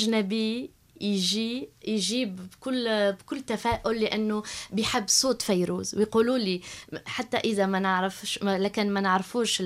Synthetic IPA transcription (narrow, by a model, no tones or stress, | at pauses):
ʔʒnæbi | jʒijʒiːbbkʊlːbkʊlːt̪æfæːʔʊlːɪʔanːubjħɪbːsˤoːt̪ˤfæjɾṵːzwjquːluːliħat̪ːæ̰ʔɪðæmænəʕɾɪfʃlæːkɪnmænəʕɾfuːʃ